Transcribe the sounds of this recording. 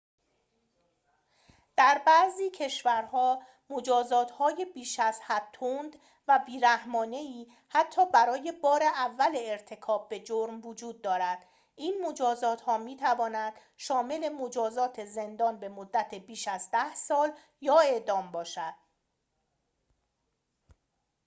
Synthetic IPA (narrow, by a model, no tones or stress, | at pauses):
d̪̥æɾbæziːcʰe̞ʃvæɾhɒː | mod͡ʒɒːzɒːt̪hɒːjebiːʃæz̥hæt̪ʰund̪ | væbiːɾæhmɒːne̞iː | hæt̪ʰːɒːbæɾɒːje̞bɒːɾe̞ʔævːæleːɾt̪ʰe̞kʰɒːb̚ːe̞d͡ʒoɾmvod͡ʒuːd̪̚ːɒːɾæd̪̥ | ʔiːnmo̞d͡ʒɒːzɒːt̪hɒːmiːt̪ʰævɒːnæd̪̥ | ʃɒːme̞le̞mod͡ʒɒːzɒːt̪ʰe̞ze̞nd̪ɒːnbe̞mod̪ːæt̪ʰe̞biːʃæzd̪æhsɒːl | jɒːe̞ʔd̪ɒːmbɒːʃæd̪̥